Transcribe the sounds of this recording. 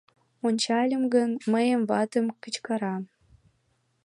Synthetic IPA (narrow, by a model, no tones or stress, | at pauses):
onʲt͡ɕɑlʲə̆mɡənməjə̆mvɑt̪ə̆mkət͡ɕkɑɾɑ